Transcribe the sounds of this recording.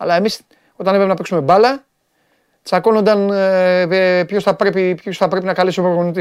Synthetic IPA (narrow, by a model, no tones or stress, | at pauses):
ɐlɐe̞mis | o̞t̪ɐnepɾepenɐpeksume̞bɐlɐ | t͡sɐko̞nond̪ɐn | pçosθɐpɾe̞pipçosθɐpɾe̞pinɐkɐlispɾoɣonit̪i